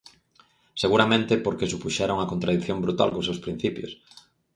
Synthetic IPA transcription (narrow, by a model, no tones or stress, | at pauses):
seɣuɾamẽnt̪ɪpoɾkesupuʃɛɾoŋɐkont̪ɾaðiθjombɾut̪a̰lkosewspɾĩn̟θipjʊ̰s